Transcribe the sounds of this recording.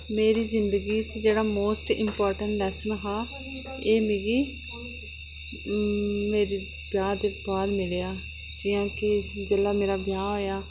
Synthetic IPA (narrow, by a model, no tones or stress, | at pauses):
meːɾiːzɪnd̪əɡiːt͡ʃd͡ʒeːɽaːmoːsʈɪ̰mpɔːɾʈəɳʈlɛːsənɦaː | eːmɪɡiː | meːɾiː | bʱjãːd̪eːbaːɾmɪleːaː | d͡ʒɪːjãːkɪd͡ʒəlaːmeːɾaːbjãːɦoːjaː